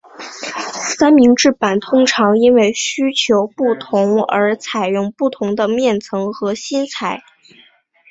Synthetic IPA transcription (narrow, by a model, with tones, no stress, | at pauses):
sa˥nmi˧˥ŋʈ͡ʂɻ̩˥˩pa˨˩nt̪ʰʊ˥ŋʈ͡ʂʰɑ˧˥ŋi˥nwe˥˩ɪɕy˥t͡ɕʰjo˧˥ʊpu˥˩t̪ʰʊ˧˥ŋə̰˞˧˥t͡sʰa˨˩ɪɻʊ˥˧ŋpu˥˩t̪ʰʊ˧˥ŋd̪ə˧mjɛ˥˩nt͡sʰɤ˧˥ŋxɤ˧˥ɕi˥nt͡sʰa˨˩˦ɪ